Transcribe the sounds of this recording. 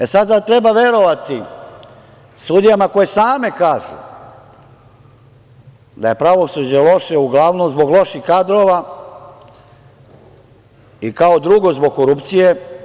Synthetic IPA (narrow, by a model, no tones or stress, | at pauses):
esad̪at̪ɾe̞baʋje̞ɾo̞ʋat̪i | sud̪ijamako̞jesaːme̞kaːʒṵ | d̪aje̞pɾaʋo̞sud͡ʑelo̞ʃeuɡlˠaʋnomzbo̞ɡlˠo̞ʃixkad̪ɾo̞ːʋa | ikaod̪ɾuɡo̞zbo̞ɡkoɾupt̪sije